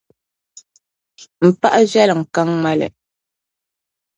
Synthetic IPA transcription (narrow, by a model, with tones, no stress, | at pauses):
m̩˨pa˦ʔa˦zɥa˦lŋ̩˨ka˦ŋŋ͡ma˦lɛ̰˨